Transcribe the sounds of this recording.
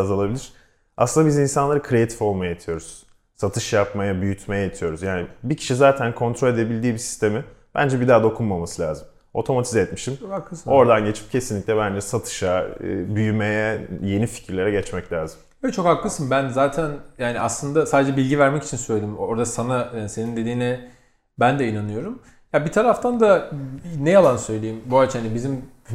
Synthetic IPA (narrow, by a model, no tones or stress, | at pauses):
zalˠabilʲiɾ̥ | ʔaslˠɯnd̪abizinsanlˠaɾɯkʰɾeat̪ʰi̥fo̞lˠmajaet̪ʰijo̞ɾuz̥ | sat̪ʰɯʃjapmajabyjyt̪ʰmejɛjet̪ʰijo̞ɾuzjaːnibicʰi̥ʃizaːt̪ʰænkʰo̞nt̪ɾo̞le̞d̪e̞bilʲd̪iːbisi̥st̪ʰe̞mib̥æ̰nd͡ʒɛbid̪aːd̪o̞kʰunmamasɯlʲaːzɯm | o̞̰t̪ʰo̞mat̪ʰizɛt̪miʃimokakˠɯso̞ɾd̪anɟe̞t͡ʃʰi̥p̚cʰe̞sinlʲiclʲɛbænd͡ʒɛsat̪ʰɯ̥ʃaɯ̰ːbyjymejɛje̞nifi̥cʰiɾlʲe̞ɾɛɟɛt͡ʃmɛclʲaːzɯm | ɛt͡ʃʰo̞khaklˠɯsɯnbænzaːt̪ʰænjaːniaslˠɯnd̪asaːd̪ed͡ʒɛbilʲɟivæɾmɛci̥t͡ʃʰinsøjlʲed̪imoɾd̪asananse̞nind̪e̞d̪iːnɛ | bænd̪ɛinanɯjo̞ɾum | jabit̪ʰaɾaft̪ʰand̪anɛjalˠansø̞jlʲejimbuat͡ʃhanibizim